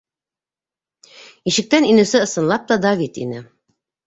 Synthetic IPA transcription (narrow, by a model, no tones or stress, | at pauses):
iʃɘ̆k̚t̪æninɘ̆sɘɤ̆sɤ̆nlˠɑp̚t̪ɑd̪ɑβit̪ḭnɘ